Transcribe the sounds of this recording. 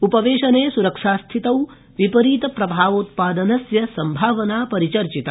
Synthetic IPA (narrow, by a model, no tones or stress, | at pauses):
upɐʋeːʃɐneːsuɾɐkʂaːst̪ʰit̪ɐw | ʋipɐɾiːt̪ɐpɾɐbʱaːʋoːt̪̚paːd̪ɐnɐsjɐsɐmbʱaːʋɐnaːpɐɾit͡ʃɐɾt͡ʃit̪ɐ